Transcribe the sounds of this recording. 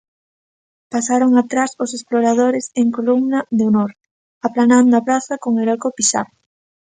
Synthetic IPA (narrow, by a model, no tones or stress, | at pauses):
pasaɾoŋat̪ɾasosesploɾað̞oɾeseŋkolumnaðeonoɾ | aplanãnd̪oapɾaθakoŋelɔkopisa̰r